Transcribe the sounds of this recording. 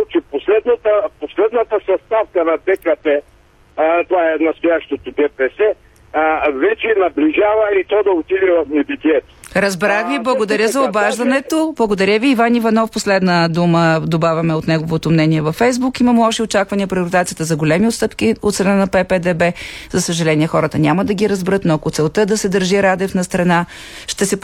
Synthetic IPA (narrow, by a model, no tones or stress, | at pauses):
t͡ʃɛposlɛd̪nət̪əposlɛd̪nət̪əsɐst̪afkənɐt̪ɛkɐpɛ | t̪ovaɛnɐst̪ojaʃt̪ot̪od̪ɛpɛsɛ | vɛt͡ʃɛnɐbliʒavɐit̪ɔd̪ɐot̪id̪ɛvɐfnɛbit̪iɛt̪o̥ɾɐzbɾaxviblˠɐɡod̪ɐɾʲjəzɐobaʒd̪ɐnɛt̪oblˠɐɡod̪ɐɾʲəviːvanivɐnɔfposlɛd̪nəd̪uməd̪obavʲɐmɛot̪nɛɡovot̪omnɛniɛvɐfːɛjzbukimɐmɛɔʃiot͡ʃakvɐniəpɾʲɛoɾit̪at̪sijət̪əzɐɡolʲɛmiot̪st̪ɤpk̟iot̪sɾɐnanɐpɛpɛd̪ɛbɛzɐsəʒɐlɛnʲiɛxɔɾət̪ənʲaməd̪ɐɡʲiɾɐzbɾɤt̪noɐkot̪sɛlˠt̪əd̪ɐsɛd̪əɾʒiɾad̪ɛfnɐst̪ɾɐna | ʃt̪ɛsɛ